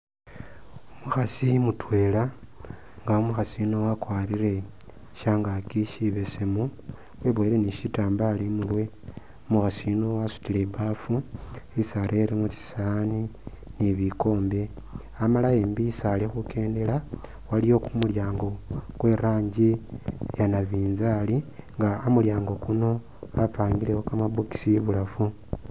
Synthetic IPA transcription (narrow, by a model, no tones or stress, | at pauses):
umuxasimutwe̞ːla | ŋɡaumuxasino̞wakwaːɾiɾe̞ | ʃaŋɡakiʃiβe̞semu | weβoeleniʃitaːmbalimulwe̞ | muxasino̞wasu̥tile̞bafuisaɾʔeɾimut͡si̥sani | niβiko̞ːmbe̞ | amalajeːmbisalexuke̞ːnde̞la | walijo̞kumuljaːŋɡo̞kwe̞ːɾaːɲɟijanaβiːnzaːliŋɡaomuljaːŋɡo̞kuno̞ | apaːŋɡilewokamaβuki̥siβulafu